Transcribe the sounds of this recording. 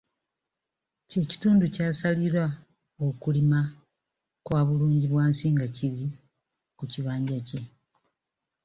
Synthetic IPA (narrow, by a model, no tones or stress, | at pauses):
ce̞ːci̥tuːnducaːsaliɾwa | okulima | kwaːβuluːɲɟiβwaːnsiːŋɡaciβi | kuciβaːɲɟace̞